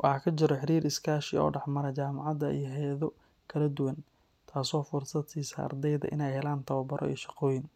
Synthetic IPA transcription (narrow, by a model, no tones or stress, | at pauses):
wʔɑħɑkʰɐt͡ʃɪɾɔħɪɾiːɾɪskʰaːʃɪɔ̰ːɖɑħmɐɾɛt͡ʃaːmɑʕɑðɐʔḭjɦɛjɐðɔ | kʰɐlɐd̪ʊwɐn | t̪ʰaːsɔːfʊrsɐd̪iːsɐ̰ʔɐ̰rd̪ɛjðɐ̰ʔɪ̰nɛjhɛlaːnt̪ʰɐβɐbɐɾʔɔ̰ḭːʃɑ̥qɔːjɪn